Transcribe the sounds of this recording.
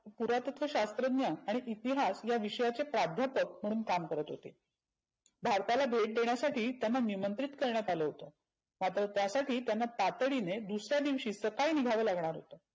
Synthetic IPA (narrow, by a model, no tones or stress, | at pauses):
puɾat̪ət̪ʰʋəɕast̪ɾəd̪njaːɽ̃iʔit̪iɦasjaʋiɕəjat͡sepɾad̪ʱjapək̚m̤əɽ̃uːnkamkəɾət̪ɦot̪e | bʱaɾt̪alabʱeʈ̚d̪eɳ̃jasaʈiːt̪janːanimənt̪ɾit̪kəɾɳ̃jat̪aləɦot̪ə | mat̪ɾət̪jasaʈiːt̪janːat̪at̪əɽined̪usɾjad̪iʋɕiːsəkainiɡʱaʋəːlaɡɳ̃aɾɦot̪ə